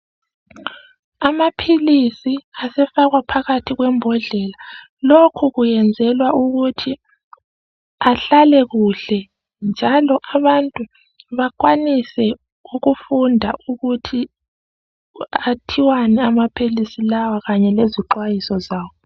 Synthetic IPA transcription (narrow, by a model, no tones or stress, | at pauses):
amapʰilisiasɛfaɣwapʰaɣatʰiɣwɛmbʱɔɮɛla | lokʰuɣujɛnd͡zʱɛlwauɣutʰi | aɬalɛɣuɬɛ | nd͡ʒʱalɔʔaβantʼu | βakwanisɛ | uɣufundʱaʔuɣutʰi | atʰiwanɛamapʰilisilawaɣaɲɛleziǃwajisɔzaːwɔ